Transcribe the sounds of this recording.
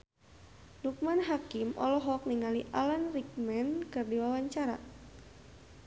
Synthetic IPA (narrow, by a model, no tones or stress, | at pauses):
nuk̚manɦakimʔɔ̰lɔɦɔk̚niŋaliʔalanrik̚mɛnkɨrdiwawaɲt͡ʃaɾa